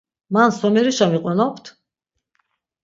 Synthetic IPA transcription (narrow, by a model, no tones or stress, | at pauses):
mansɔmɛɾiʃamiqʼanapʰt̪ʰ